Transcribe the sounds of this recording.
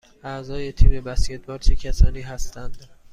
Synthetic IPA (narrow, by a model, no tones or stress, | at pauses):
ʔæzɒːje̞t̪ʰiːbebæscʰe̞t̪̚ʰbɒːɾt͡ʃʰecʲʰæsɒːniːɦæst̪ænd̪̥